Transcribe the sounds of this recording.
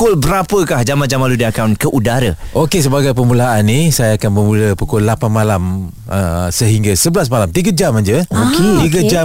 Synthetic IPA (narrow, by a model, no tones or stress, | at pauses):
ʊlbəɾapəkahd͡ʒamad͡ʒamaludiakawnkəʔudaɾəʔokes̬əbaɡajpəmulaanisajaːkanməmũləpukɔlːapanmalam | əsəɦiŋɡasəbəlas̬malamt̪iɡad͡ʒamaɲd͡ʒəoket̪iɡəd͡ʒa